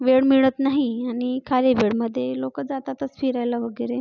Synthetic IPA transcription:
ʋeɽmiɭət̪naɦiaɽ̃ikʰaleʋeɽməd̪ʱːjelokəd͡zat̪at̪əsfiɾajlaʋəɡəjɾe

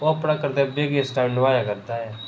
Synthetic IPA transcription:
oɐpɽakəɾt̪ebeːɡesʈaːɪnɪʋaːjakəɾd̪aɦɛː

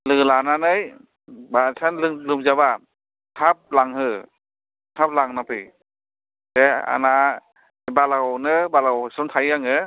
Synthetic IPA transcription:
lɯlananɯj | basʰanlɯŋlɯmd͡ʒaba | t̪ʰap̚laŋhɯ | tʰap̚laŋnapʰɯj | tɛa̰na | balanɯbalawsɔnt̪ʰajaŋɯ

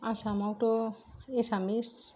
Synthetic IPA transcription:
asamɔk̚ʈoesamis

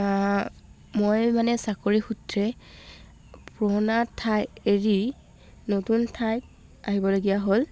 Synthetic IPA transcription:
mojmanɛsakoɹixutɹɛ | pɹonatʰajeɹi | notuntʰaj | aɦibɔloɡijaɦol

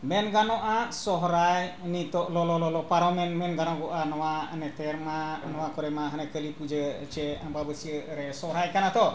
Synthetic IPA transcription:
mɛnɡanɔʔasɔɦɾajnit̪ɔʔlɔlɔlɔlɔpaɾɔmɛnmɛnɡanɔɡɔʔanɔwanɛt̪ɛɾmanɔwakɔɾɛmaɦanɛkəlipud͡ʒət͡ʃɛababəsiəʔɾɛsɔɦɾajkanat̪ɔʔ

